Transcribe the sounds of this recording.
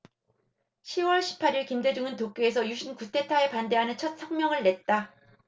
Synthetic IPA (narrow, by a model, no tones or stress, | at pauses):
ɕʰiwʌɭɕʰi̥pʰaɾiɭkimde̞d͡ʑuŋɯntok͈ees̬ʰʌjuɕʰinkutʰe̞tʰae̞pande̞ɦanɯnt͡ɕʰʌt̚sʰʌŋmjʌŋɯɭːe̞t̚t͈a